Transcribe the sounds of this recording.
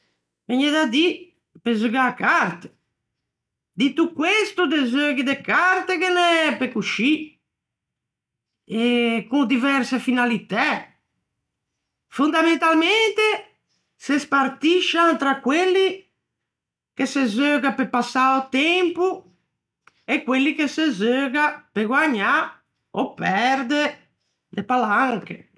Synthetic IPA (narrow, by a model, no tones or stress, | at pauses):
vɛɲed̪ad̪i | pezuɡakaɾt̪e̥ | d̪it̪ukːwest̪ud̪ezøɡid̪ekaɾt̪ekenɛpekuʃi | ekuŋd̪ivɛɾsefinalit̪ɛ | fund̪ament̪alment̪e | sespaɾt̪iʃant̪ɾakwelːi | kesezøɡapepasaot̪ɛmpu | ekwelːikesezøɡapeɡwaɲa | opɛɾd̪e | d̪epalaŋke